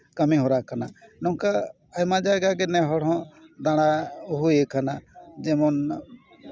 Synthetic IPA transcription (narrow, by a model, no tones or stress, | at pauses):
kəmiɦoɾakananɔka | əjmãd͡ʒajɡaɡɛnɛɦɔɽɔ̃d̪aɽ̃aʊɦuekʰanad͡ʒɛmɔn